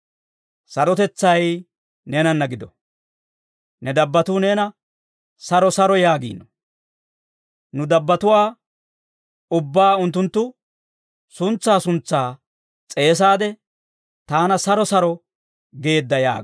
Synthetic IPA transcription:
sɐɾɔt̪ɛt͡sːɐj | nɛnɐnːɐɡɪd̪ɔ | nɛd̪ɐbːɐt̪uːneːnɐ | sɐɾɔsɐɾɔjaːɡḭːnːɔ | nʊd̪ɐbːɐt̪ʊwaː | ʊbːaːʊnt̪̬ːʊnt̪ːʊ | sʊnt͡sːaːsʊnt͡sːaː | t͡sʼe̞ːs̬aːd̪ɛ | t̪aːnɐsɐɾɔsɐɾɔ | ɡe̞ːd̪ːɐja̰ː

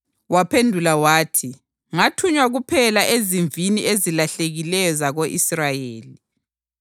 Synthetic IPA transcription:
wapʰendʱulawaːtʰi | ŋatʰuɲwaɣupʰɛlaʔeziɱviniʔezilaɬeɣilɛjɔzaɣoʔisrajeːli

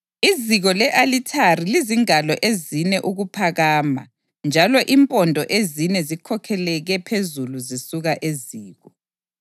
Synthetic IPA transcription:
iziɣɔlɛʔalitʰariliziŋalɔʔezinɛʔuɣupʰaɣaːma̰ | nd͡ʒʱalɔʔimpʼɔndʱɔʔezinɛzikʰɔkʰɛlɛɣɛpʰezuluzisuɣaʔeziːɣɔ

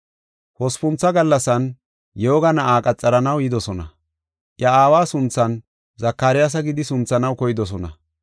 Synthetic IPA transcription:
hɔspʊnt͡sːɐɡɐlːɐsɐn | joːɡɐnɐaːkʼɐt͡sʼːɐɾɐnɐwjɪd̪ɔsɔnɐ̰ | ʔjɐaːwaːsʊnt͡sːɐn | zɐkːaːɾɪjas̬ɐɡɪd̪ɪsʊnt͡sːɐnɐwkɔjɪd̪ɔsɔnɐ

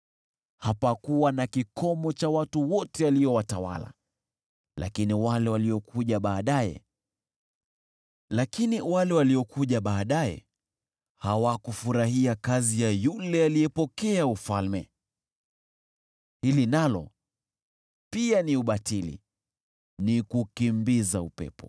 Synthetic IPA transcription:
hapakuwanakikʰɔmɔt͡ʃawatuwɔtɛaliɔwatawa̰la̰ | lʔa̰kiniwalɛwaliɔkuʄaɓaːɗajɛ̰ | lakiniwalɛwaliɔkʰuʄaɓaːɗaɛ̰ | hawakufuɾaɦiakazijajulɛaliɛpɔkɛaufalmɛ | hilinalɔ̰ | pianiuɓatilḭ | nikukimbizaupɛ̰pɔ

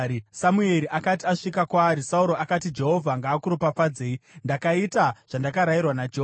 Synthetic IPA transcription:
samue̞ɾiʔakatiaʂikakwaːɾisauɾo̞akatid͡ʒe̞ɦo̞vʱaŋɡaːkuɾupap͡fad͡zeːindakaitaʐ̥andakaɾairwanad͡ʒeɦo

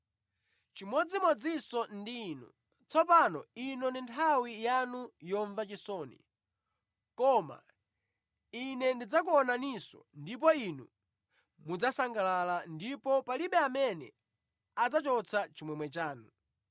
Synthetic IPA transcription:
t͡ʃimɔd͡zimɔd͡zisɔndiːnṵ | t͡sʰɔpanɔinɔndintʰawijanujɔɱvat͡ʃisɔːnḭ | kɔma̰ | inɛndid͡zak̬uɔnanisɔ̰ndip̬ɔinṵ | mud͡zasaŋɡalalandipɔpaliɓɛamɛnɛ̰ | ad͡zat͡ʃɔt͡sʰat͡ʃimwɛmwɛt͡ʃaːnu

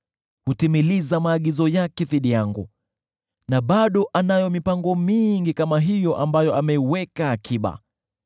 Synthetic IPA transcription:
hutimilizamaːɠizɔjakɛθiɗijaŋɡṵ | naɓaɗɔʔanajɔmipaŋɡɔmiŋɡikamaɦijɔʔambajɔamɛiwɛkaːkʰiɓa̰

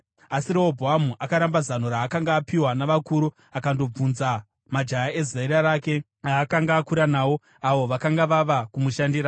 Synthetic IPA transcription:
asiɾeobʱoɦamuʔakaɾambazano̞ɾaːkaŋɡaːpiwanaʋakuɾu | akando̞b͡vunza | mad͡ʒajae̞zaiɾaɾaːke̞ | aːkaŋɡaːkuɾanaːwo̞ | aʋo̞ʋakaŋɡaʋaʋakumuʃandiɾa

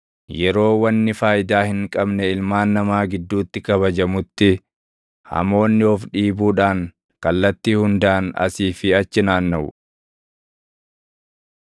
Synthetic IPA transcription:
jɛɾo̞ːwɐnːɪfaːjɪd̪aːhɪŋkʼɐbnɛɪlmaːnːɐmaːɡɪd̪ːuːt̪ːɪkɐβɐd͡ʒɐmʊt̪ːɪ | hɐ̰mo̞ːnːɪɔfᶑiːbuːᶑaːŋ | kɐlːɐt̪ːiːhʊnd̪aːnɐ̰siːfɪɐt͡ʃːɪnaːnːɐʔʊ̰

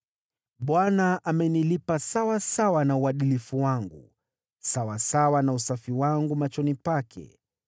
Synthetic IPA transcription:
ɓwanaʔamɛnilipasawasawanauaɗilifuwaŋɡṵ | sawasawanausafiwaŋɡumat͡ʃɔnipakʰɛ̰

